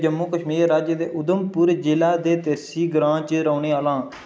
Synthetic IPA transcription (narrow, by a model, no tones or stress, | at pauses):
d͡ʒəmːuːkəʃmiːɾɾaːd͡ʒəd̪eːʔʊd̪əmpʊɾd͡ʒɪlaːd̪eːt̪eːsiːɡɾãːt͡ʃəɾəːneːaːlãː